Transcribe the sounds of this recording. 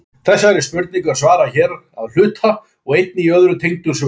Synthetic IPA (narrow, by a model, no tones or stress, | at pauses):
θɛsːaɛɾɪspʏɾt̪niŋkʏasvaːɾaçɛːɾ | a̰ðl̥ʏːt̪a | ɔɣejt̪̚nɪiœðɾʏt̪ʰejŋt̪ʏ̥s